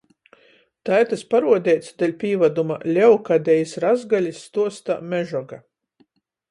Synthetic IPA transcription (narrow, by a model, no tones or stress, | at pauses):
t̪ajt̪aspaɾuɔd̪ʲɛjt̪sd̪alʲpʲiːvad̪uma̰lʲɛwkad̪ʲɛjisɾazɡalʲisːt̪uɔst̪a̰mʲɛʒɔɡa